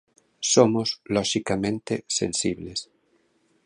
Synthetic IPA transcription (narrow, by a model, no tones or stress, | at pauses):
somozloʃikamẽnt̪esḛnsiβles